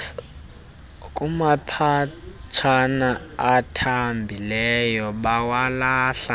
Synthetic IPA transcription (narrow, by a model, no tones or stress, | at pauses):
kʼumapʰat͡ʃʰanaatʰambʱilɛjɔɓawalaːɬa